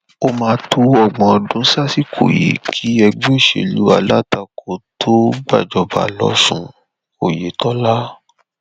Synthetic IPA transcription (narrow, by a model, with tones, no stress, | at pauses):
o˧mãː˧˦tʰu˧ɔ˨ɡ͡bɔ̃˨˧˨dũ˨˦sa˦si˦kʰo̰˨jḭ˨˦kʰi˨˦ɛ˧ɡ͡be˦˨ʃḛ˨lṵ˨˦a˧la˦ta˧kʰo˧˨tʰo˦ɡ͡ba̰˦˨d͡ʒɔ˧ba̰˨lɔ˦sũ˦˧ | o˨je˨˦tɔ˦la˦